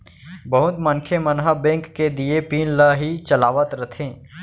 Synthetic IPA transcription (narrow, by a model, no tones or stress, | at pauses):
bəɦʊt̪mənkʰemənɦəbẽːŋkːed̪iepiːnlaɦit͡ʃəlaːʋət̪ɾət̪ʰẽː